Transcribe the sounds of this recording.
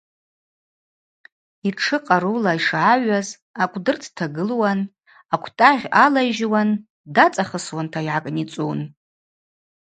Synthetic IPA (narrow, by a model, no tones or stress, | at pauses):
iʈ͡ʂʰɨqʼaɾulaiʂʕaɥaz | akʷʼdɨrtʰtʰaɡɨlwan | akʷʰtʼaʁʲalaʒwan | dat͡sʼaχəswantʰaiʕakʼnit͡sʼun